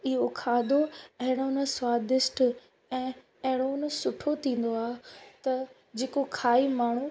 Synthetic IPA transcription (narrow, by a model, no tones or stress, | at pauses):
ɪɦokʰaːd̪oɐɦɪɽ̃onə̆swaːd̪ɪsʈ | ɛ̃ː | ɐɦɪɽ̃onə̆sʊʈʰot̪ʰĩːn̆d̪oaːɦt̪ɐ | d͡ʑeːkokʰaːimaːɳ̤u